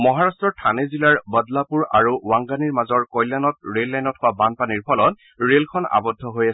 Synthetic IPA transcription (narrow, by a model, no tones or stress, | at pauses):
mɔɦaɹastɹɔɹtʰanezilaɹbɔdlapuɹaɹuwaŋɡaniɹmazɔɹkɔjlanɔtɹelːajnɔthʊwabanpaniɹpʰɔlɔt | ɹelkʰɔna̰bɔdʱːɔɦojasɛ